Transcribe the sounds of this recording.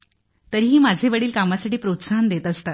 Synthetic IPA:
t̪əɾiɦiːmad͡zʱeʋəɽiːlkamasaʈiːpɾot̪sand̪et̪əst̪at̪̚

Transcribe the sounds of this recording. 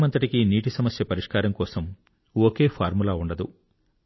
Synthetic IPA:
mɐnt̪ɐʈikiniːʈ̬isɐmɐsjɐpɐɾiʂkaːɾɐmkɔːsɐm | okeːpʰaːɾmulaːuɳɖɐd̪ṵ

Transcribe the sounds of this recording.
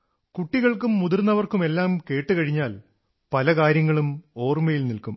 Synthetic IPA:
kuʈːiɣɐɭkumːuðurnːɐʋɐrkume̞lːaːmke̞ːʈːɨkɐɻiɲːaːl | pɐlɐkaːɾjɐŋːɐɭumo̞ːrmɐjilnilkum

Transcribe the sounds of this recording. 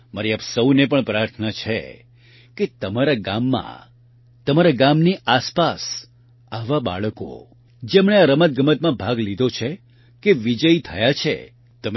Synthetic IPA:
məɾiapsəwnepəɳpɾaɾt̪ʰnat͡ʃʰḛ | ket̪əmaɾaɡamːã̰ | t̪əmaɾaɡamniʔaspas | aʋaba̰ɭəko̰ | d͡ʒemɳ̃eaɾəmət̪̚ɡəmət̪̚mãbʱaɡlid̪ʱot͡ʃʰe | keʋid͡ʒəit̪ʰəjat͡ʃʰḛ | t̪əm

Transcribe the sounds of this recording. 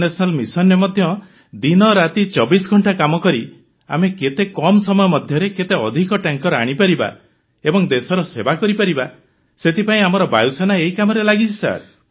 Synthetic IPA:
nesɔnalmisɔnːemɔd̪ʱjɔ | d̪inɔɾat̪it͡ʃɔbisɡʱɔɳʈakamɔkɔɾi | a̰meket̪ekɔmsɔmɔjɔmɔd̪ʱjɔɾeket̪eɔd̪ʱikɔʈaŋkɔɾaɽ̃ipaɾiba̰ | ebɔŋd̪esɔɾɔsebakɔɾipaɾiba | set̪ipaĩamɔɾɔbajusanaeɦikamɔɾelaɡit͡ʃʰisa̰ɾ

